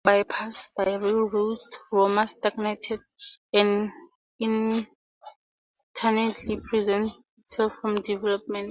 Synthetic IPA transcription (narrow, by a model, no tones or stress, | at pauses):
bajpʰasbajɹilɹudswɔmastaɡnɛtʰɛd̚ | ɛ̃n | ĩn | tʰanɛtʰlipʰɹizɛ̃nt | itsɛlfɹɔ̃mdivɛlɔp̚mɛ̃nt